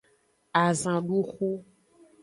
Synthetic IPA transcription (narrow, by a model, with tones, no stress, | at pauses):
a˨zã˨ɖu˦xu˦